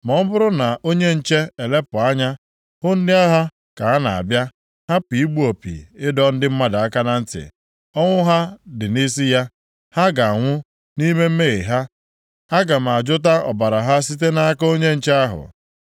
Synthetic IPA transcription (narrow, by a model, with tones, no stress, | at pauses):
mɔ˨m̩˦bʊ˦ɾʊ˦na˨ʔo˦ɲe˦n̩˦t͡ʃe˦e˨le˦pʊ˨a˦ɲa˦ | hʊ˦n̩˦dɪ˦a˦ɦa˦ | ka˨a˦na˨a̰˨bja˦ | ha˦pi˨i˦ɡ͡bu˦o˨pḭ˨ɪ˦dɔ˦n̩˦dɪ˦m̩˦ma˦da˨a˦ka˦na˦n̩˦tɪ̰˨ | ɔ˦ŋʷʊ˦ɦa˦dɪ˨ni˦s̬i˦ja˦ | ha˦ɡa˨ŋʷʊ˦ | ni˦me˦m̩˦me˦ɣe˨ɦa˦ | ha˦ɡa˨m̩˨a˨d͡ʒʊ˦t̬a˦ɔ̰˨ba˨ɾa˨ɦa˦s̬i˦t̬e˦na˦a˦ka˦o˦ɲe˦n̩˨t͡ʃe˦a˦ɦʊ̰˨